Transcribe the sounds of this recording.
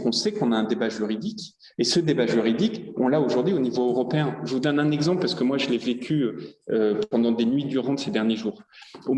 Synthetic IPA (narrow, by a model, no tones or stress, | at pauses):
kɔ̃sɛkɔ̃naɛ̃d̪ebaʒyʁid̪ik | esəd̪ebaʒyʁid̪ikɔ̃laoʒuʁd̪ɥionivoøʁɔpeɛ̃ʒəvud̪ɔnɛ̃nɛɡzɑ̃plpaʁsə̥kəmwaʒəlɛvekʲyøøpɑ̃d̪ɑ̃d̪enɥid̪yʁɑ̃d̪əsed̪ɛʁnjeʒuːʁ | o